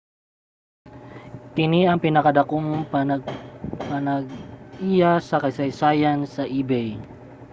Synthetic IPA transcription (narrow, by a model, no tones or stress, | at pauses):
k̪ɪniɐŋpinɐkad̪ɐkoŋ | panɐɡ̚ijasɐkɐjsajsajansɐʔibɛj